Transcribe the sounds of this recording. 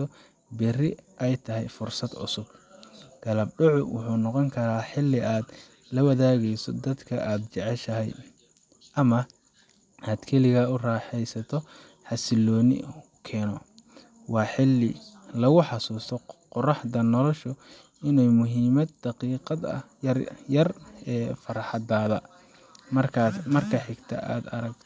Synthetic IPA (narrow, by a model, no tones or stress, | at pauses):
t̪ʰɔ | bɪrɪʔɛjt̪ʰɐɦɛjfʊrsɐd̪ʕʊ̰sʊb̥ɡ̥ɐlɐb̚ɖʊʕʊwʊ̰ħuːnɔqɔŋkʰɐɾaːħɪlːɪʔaːd̪ | lɐwɑðaːɣɛjsɔd̪ɐd̪kʰɐʔaːd̪̚t͡ʃɛʕɛʃɐɦɛ̰j | ʔɐmɐ | aːd̪kʰɛlɪɣɐʊraːħɛjsɐt̪ʰɔ | ħɑsɪlɔːnɪ̰ | kʰɛːnɔ | wɑːħɪlːɪlɐɣʊħɑsuːst̪ʰɔqʊrɑħðɐnɔlɔʃʊ | ɪnuːmʊɦiːmɐd̪̚ːɑqiːqɑd̪ɐ̰ | jɐrɛːfɐɾɑħɑd̪aːðɐ | mɐmɐrkʰɐħɪɡt̪ʰɐ̰ʔa̰ːd̪ɐɾɐɡt̪ʰ